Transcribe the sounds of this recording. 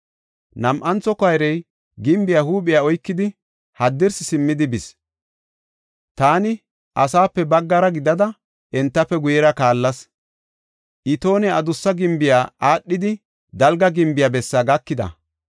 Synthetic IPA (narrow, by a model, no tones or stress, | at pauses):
nɐmʔɐnt͡sːɔkɐjɾɛj | ɡɪmbɪjaːhuːpɪjaɔjkːɪd̪ɪ | hɐd̪ːɪɾsɪsɪmːɪd̪ɪbɪs | t̪aːnɪ | ʔɐsaːpːɛbɐɡːɐɾɐɡɪd̪ɐd̪ɐ | ʔɛnt̪ːɐpːɛɡʊjɛɾɐkaːlːɐs | ʔɪt̪o̞ːnɛɐd̪ʊsːɐɡɪmbɪjaːʔaːɗːɪd̪ɪ | d̪ɐlɡɐɡɪmbɪjabɛsːɐɡɐkːɪd̪ɐ̰